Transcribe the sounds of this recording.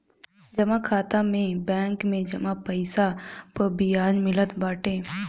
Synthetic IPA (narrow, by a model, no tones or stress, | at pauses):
d͡ʒəmãkʰaːt̪ãmẽbɛ̃ːŋkmẽːd͡ʒəmãːpəɪsapəbɪjaːd͡ʒmɪlət̪baːʈẽː